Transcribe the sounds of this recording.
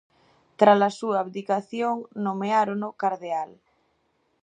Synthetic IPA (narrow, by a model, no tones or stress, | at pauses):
t̪ɾalasuaːβd̪ikaθjoŋnomeaɾonokaɾðeal